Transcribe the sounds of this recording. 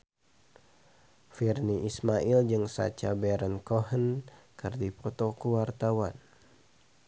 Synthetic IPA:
firniʔismaild͡ʒɨŋsa̰t͡ʃabɛɾənkoɦənkɨrdipɔt̪ɔkuwart̪awan

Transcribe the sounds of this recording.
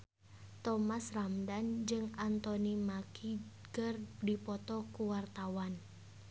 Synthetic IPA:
t̪ɔmasramdand͡ʒɨŋant̪ɔnimakʰi | ɡərdipɔt̪ɔkuwart̪awan

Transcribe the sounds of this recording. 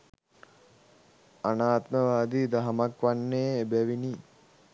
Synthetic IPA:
anaːt̪məʋaːd̪id̪aɦɐmakʋanːeːbæʋini

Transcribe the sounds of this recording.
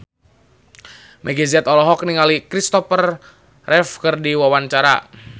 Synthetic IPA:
mʔɛɡɛziat̪ɔlɔɦɔk̚niŋalikɾist̪ɔfər | rɛfkərdiwawant͡ʃaɾa̰

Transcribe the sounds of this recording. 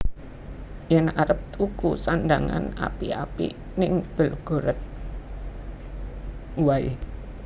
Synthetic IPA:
jənaɾəp̚t̪ukusandaŋa̰na̰pia̰pḭ | nɪŋb̥əlɡ̥o̤ɾət̪̚ | waḭ

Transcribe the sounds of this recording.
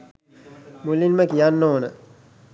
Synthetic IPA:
mulinməkijanːoːnə

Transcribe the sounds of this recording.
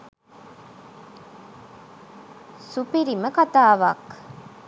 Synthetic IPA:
supiɾiməkɐt̪aːʋa̰ːk

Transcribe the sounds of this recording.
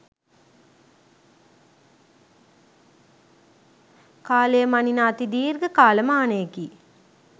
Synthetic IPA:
kaːlejəmaninaːt̪id̪iːrɡəkaːləmaːnəjeki

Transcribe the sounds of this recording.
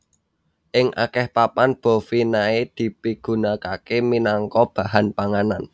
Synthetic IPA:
ʔɪŋʔa̰kɛhpapanb̥o̤finaed̪̥i̤piɡ̥ṳnakakeminaŋkɔb̥a̤ɦanpaŋanan

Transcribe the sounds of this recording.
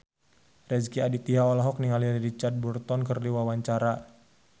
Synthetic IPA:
rɛskiadit̪iɦaɔlaɦɔk̚niŋaliɾit͡ʃard̪̚burt̪ɔnkərdiwawaɲt͡ʃaɾa

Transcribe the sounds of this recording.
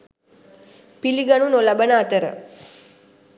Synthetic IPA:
piliɡanunolabənəat̪əɾə̰

